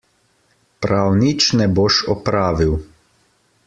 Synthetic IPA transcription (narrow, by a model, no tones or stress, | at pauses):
pɾawnit͡ʃnɛboʃɔpɾaːʋiw